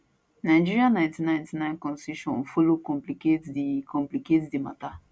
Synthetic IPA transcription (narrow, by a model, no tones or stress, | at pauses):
najd͡ʒiɾianãjntinãj̃ntinãjnkɔ̃nsiʃɔ̰̃n̩fulukɔ̃mpliketdikɔ̃mpliketdima̰ta